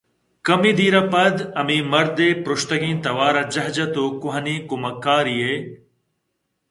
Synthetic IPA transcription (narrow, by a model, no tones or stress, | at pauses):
kɐmiːd̪iːɾɐpɐd̪ɐmimɐɾd̪eːpɾʊʃt̪ɐɡĩːnt̪ɐʋaːɾɐd͡ʒɐɦd͡ʒɐt̪oːkʊɦɐnĩːkʊmɐkːaːɾiːeː